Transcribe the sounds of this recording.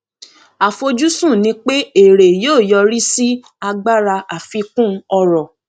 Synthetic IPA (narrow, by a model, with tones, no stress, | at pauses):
a˨fo˧d͡ʒu˦sũ˦˨nĩ˧˦k͡pe˦e˨ɾe˨joː˦˨jɔ˧ɾi˦si˦ | a˧ɡ͡ba˦˨ɾa˧ʔa˨fi˧kũ˦ɔ˧ɾɔ˨